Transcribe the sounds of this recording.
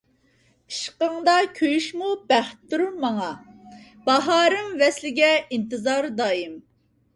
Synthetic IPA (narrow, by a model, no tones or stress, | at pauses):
i̥ʃqəŋd̪ɑkʲʰøjyʃmub̥æχt̪ːuɾumɑŋɑ | b̥ɑɦɑːɾɨmvɛslɪɡʲɛint̪ɨzɑɾd̪ɑːjim